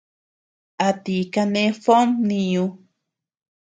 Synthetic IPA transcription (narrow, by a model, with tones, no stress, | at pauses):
a˨t̪i˨ka˧ne˦fo˦mni˧ju˧